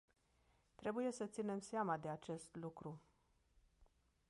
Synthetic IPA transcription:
t̪ɾe̞buje̞sət̪sine̞mseamad̪e̞at͡ʃe̞st̪lukɾu

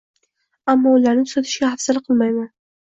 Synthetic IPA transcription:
amːɒʊlaɾnɪt̪ʰʊ̥sat̪ʰɪ̥ʃɡʲahafsalɪqʰɨlˠmajman

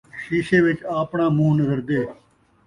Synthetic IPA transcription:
ʃiːʃeːʋɪt͡ʃaːpɳãːmũːnəzəɾd̪eː

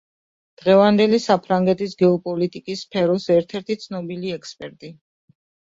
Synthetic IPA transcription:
d̪̥ʁɛvand̪ɛlisapʰɾaŋɡɛt̪ʰisɡɛɔpʼɔlit̪ʼikʼisːpʰɛɾɔsɛɾt̪ʰɛɾt̪ʰit̪sʰnɔbiliɛkspʼɛɾt̪ʼi

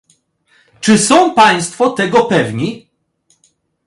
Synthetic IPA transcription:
t͡ʂɘsɔ̃w̃paj̃st̪fɔt̪ɛɡɔpɛvɲi

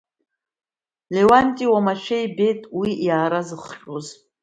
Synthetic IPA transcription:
lewantʼiwamaʃᶣejbe̞tʼwiʔjaːɾazɨχʃʼoz

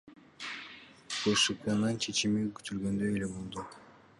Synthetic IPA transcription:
b̥uʃepʲanɑnt͡ʃʰe̞t͡ʃimikʰy̥t̪ylɡø̞nd̪øjelʲebulˠd̪u

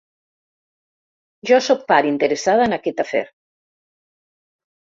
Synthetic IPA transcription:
ʒɔsɔk̚paɾint̪əɾəsað̞aənakɛt̪afɛ̰ɾ

